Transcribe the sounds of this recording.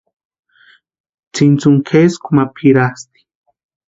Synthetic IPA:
t͡sint͡suŋkʰeskumapʰiɾast̪i̥

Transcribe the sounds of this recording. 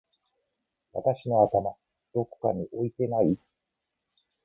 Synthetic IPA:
βat̪aɕino̞at̪ama | d̪̥o̞ko̥kaɲ̟iʔo̞it̪e̞nai

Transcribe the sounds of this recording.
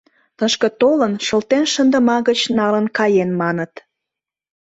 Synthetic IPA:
t̪əʃkə̆t̪olənʃəlt̪enʃənd̪əmɑɣət͡ɕnɑlənkɑjenmɑnət̪

